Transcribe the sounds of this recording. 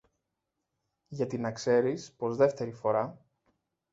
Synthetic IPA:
ʝɐt̪inɐkse̞ɾispo̞zðe̞ft̪e̞ɾifo̞ɾɐ

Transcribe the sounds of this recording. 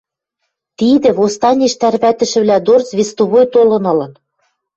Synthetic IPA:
t̪id̪ɘ̆βost̪ɑnʲeʃt̪ærβæt̪ɘ̆ʃɘ̆βlæd̪ort͡sβʲest̪oβojt̪olɤ̆nɤ̆lɤ̆n

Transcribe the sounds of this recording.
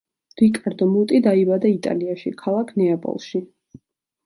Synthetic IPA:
d̪̥ikʼaɾd̪ɔmut̪ʼid̪aibad̪ait̪ʼa̰liaʃḭkʰalˠakʰnɛapʼɔ̰lˠʃi

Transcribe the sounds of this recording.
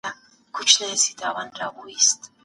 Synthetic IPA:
a | ɡ̥ut͡ʃʰnɛːsid̪awanɾaβuist̪ʰ

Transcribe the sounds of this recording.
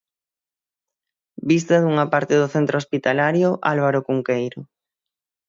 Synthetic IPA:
bist̪aðuŋɐpaɾt̪ɪðoθent̪ɾospit̪alaɾjoʔalβ̞aɾokuŋkejɾo

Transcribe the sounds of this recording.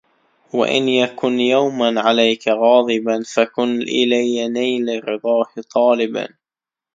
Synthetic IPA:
wa̰ʔɪ̰njakʊnjawmanʕalajkaɣɑːd̪ˤɨbanfakʊnʔɪlajːanajlɪrːɨd̪ˤɑːht̪ˤɑːlɪba̰n

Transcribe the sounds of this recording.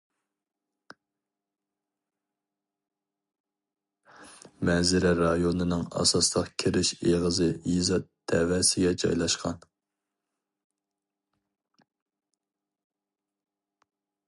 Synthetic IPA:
mɛzɪɾɛɾɑjonɨnɨŋɑ̰sɑslˠəqkʲʰiɾɪʃeʁəzɨjizɑt̪d̪̥ɛwɛsɪɡʲɛd͡ʒɑ̰jlˠɑʃqɑn

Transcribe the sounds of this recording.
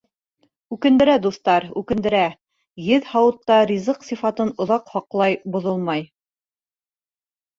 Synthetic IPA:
ʉkɘ̆nd̪ɘ̆ɾæd̪uθt̪ɑɾʉkɘ̆nd̪ɘ̆ɾæ | jɘðhɑwɤ̆t̪ːɑɾʲizɤqsifɑt̪ɤnŏðɑqhɑqlˠɑjbŏðolˠmɑj

